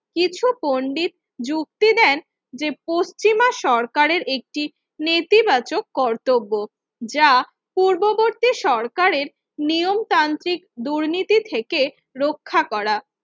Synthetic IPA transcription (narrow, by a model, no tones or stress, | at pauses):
kit͡ɕʰupoɳɖit̪̚ | d͡ʑuk̚t̪id̪ɛn | d͡ʑepost͡ɕimaʃɔɾkaɾeɾʔek̚ʈi | net̪ibat͡ɕokːɔɾt̪obːo | d͡ʑa | puɾboboɾt̪iʃɔɾkaɾeɾ | niomt̪ant̪ɾikd̪uɾnit̪it̪ʰeke | ɾokʰːakɔɾa